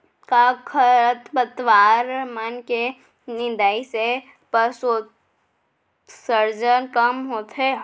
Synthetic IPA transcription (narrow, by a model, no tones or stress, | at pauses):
kakʰəɾət̪bət̪ʋaːɾmənke | nɪ̃nd̪aːise | pəsoː | səɾd͡ʒənkəmɦoːt̪ɦɛ